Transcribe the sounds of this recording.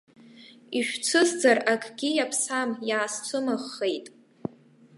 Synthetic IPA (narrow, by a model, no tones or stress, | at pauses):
iʃᶣt͡sʰɨzd͡zarakʰʼɡʲijapʰsamjaːst͡sʷʰʊmaχːejtʼ